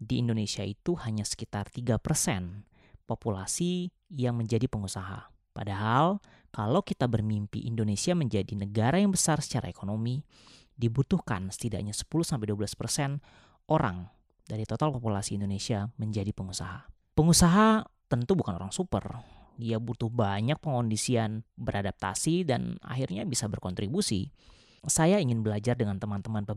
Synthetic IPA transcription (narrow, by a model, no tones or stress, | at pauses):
diːndonesiait̪uhaɲasə̥kit̪art̪iɡapərsɛ̰n | populasi | jaŋməɲd͡ʒadipəŋusaɦa̰ | padaɦal | kalawkit̪abərmimpḭʔindonesiaməɲd͡ʒadinəɡaɾajaŋbəsarsə̥t͡ʃaɾa̰ekonomi | dibut̪uhka̰nsə̥t̪ida̰ʔɲasə̥puluhsampɛjduabəlaspərsɛn | ʔoɾa̰ŋ | daɾit̪ot̪alpopulasiːndonesiaməɲd͡ʒadipəŋusa̰ɦa | pəŋusaɦat̪ənt̪ubukano̰ɾaŋsupə̰rdiabut̪ʊhbaɲak̚pəŋondisianbəɾʔadap̚t̪a̰sida̰na̰ɦirɲabisabərkɔnt̪ɾibusḭ | sajaiŋɪnbəlad͡ʒardəŋant̪əmant̪əmanpə